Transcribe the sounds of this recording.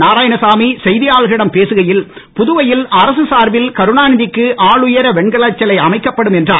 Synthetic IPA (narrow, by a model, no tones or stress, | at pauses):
naːɾaːjɐnɐsaːmisɛjðɪjaːɭɣɪɽɐmpeːsɯɣɐjɪlpʊðʊʋɐjɪlɐɾɐsɯsaːɾʋɪlkɐɾɯɳaːnɪðɪkːɯʔaːɭɯjɐɾɐʋɛɳɡɐɭɐt͡ʃːɐlɐɪɐmɐɪkːɐpːɐɽɯmɛndraː